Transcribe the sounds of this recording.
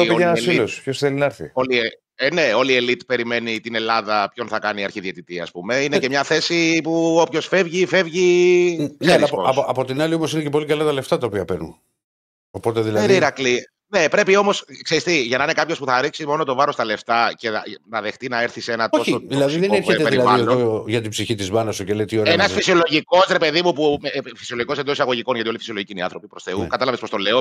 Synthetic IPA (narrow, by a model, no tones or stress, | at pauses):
oenɐsilospçosθelinɐeɾθḭoli | ene̞o̞lielit̪pe̞ɾime̞nit̪ine̞lɐðɐpço̞nθɐkɐniɐɾçiðiet̪it̪iɐ̰spume̞inece̞mɲɐθe̞sipuo̞pço̞sfe̞vʝife̞vʝi | neɾisoɐɐpot̪inɐlio̞mosinecepo̞likɐlɐt̪ɐle̞ft̪ɐt̪ɐopiɐpenṵn | opo̞t̪eðilɐeniɾɐkli | ne̞pɾe̞pio̞mo̞skseɾist̪iʝɐnɐinekɐpço̞spuθɐɾiksimo̞not̪o̞vɐɾo̞st̪ɐle̞ft̪ɐce̞nɐðext̪inɐeɾθise̞nɐt̪ooçoðilɐðsiðeneɾçet̪epeɾiɐðvɐlooʝɐt̪̬ibsiçit̪izmɐnɐsuceleit̪ioenɐsfisio̞loʝiko̞sɾe̞pe̞ðimupufisio̞loʝikosend̪osisɐɣo̞ʝiko̞nʝɐt̪iolifisiolo̞ʝiciniɐ̰θɾo̞pipɾo̞sθe̞ukɐt̪ɐlɐvespo̞st̪o̞le̞o